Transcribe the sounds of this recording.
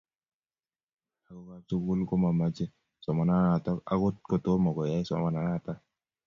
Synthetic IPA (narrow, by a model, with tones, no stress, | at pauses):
a˨kɔkatu˦ku˦lko˦ma˨mad͡ʒe˦ | sɔ˨ma˨na˦a˨tɔ˦ka̰ɡʊ˦t̚kɔ˨t̪o˦mɔ˨ɡɔ˨ja˦jsɔ̰manaata